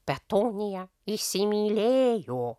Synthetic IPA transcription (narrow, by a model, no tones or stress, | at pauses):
pat̪oɲia | isimilejo